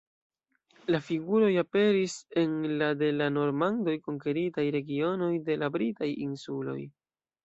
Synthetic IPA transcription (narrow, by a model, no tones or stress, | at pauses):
lafiɡuɾo̞jape̞ɾise̞nlade̞lano̞ɾmando̞jko̞ŋke̞ɾitajɾe̞ɡio̞no̞jde̞labɾitajinsulo̞̰j